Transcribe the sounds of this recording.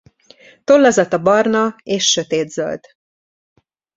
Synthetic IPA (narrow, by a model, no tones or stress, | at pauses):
t̪o̞lːɒzɒt̪ɒbɒrnɒeːʃːø̞t̪eːd̪zø̰ld̪̥